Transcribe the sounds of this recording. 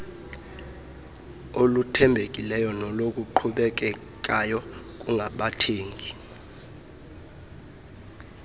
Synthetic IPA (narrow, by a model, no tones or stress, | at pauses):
olutʰɛmbʱekʼilɛjɔnɔlokʼuǃʰuɓɛk̬ʼɛ | k̬ʼajɔ | k̬ʼuŋʱaɓatʰeːŋɡʱi